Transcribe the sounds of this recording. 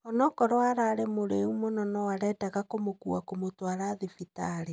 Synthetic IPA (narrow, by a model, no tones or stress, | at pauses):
ɔnɔkɔɾɔaɾaːɾemoɾeumonɔnɔwaɾɛdaɣakomokṵakomotwaɾaːðefitaɾe